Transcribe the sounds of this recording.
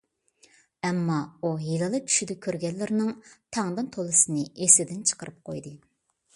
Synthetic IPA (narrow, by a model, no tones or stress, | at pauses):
ɛmːɑujilˠɨlˠɨt͡ʃʰy̥ʃid̪ɛkʲʰøɾɡʲɛlːɪɾnɪŋt̪ʰɑŋd̪ɨnt̪ʰolˠɨsɨnɨesɪd̪ɪnt͡ʃʰə̥qəɾɨp̚qʰo̰jd̪ɨ